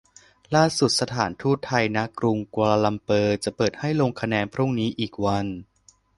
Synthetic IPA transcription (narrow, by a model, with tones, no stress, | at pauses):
laː˥˩su˨˩t̪̚sa˧t̪ʰaː˩˦nt̪ʰuː˥˩t̪ʰːa˧jna˦˥kɾu˧ŋkaː˧laː˧la˧mpɤː˧t͡ɕa˨˩pɤː˨˩t̪̚ha˥˩jloː˧ŋkʰa˧nɛː˧npʰɾu˥˩ŋniː˦˥ʔiː˨˩k̚wa˧n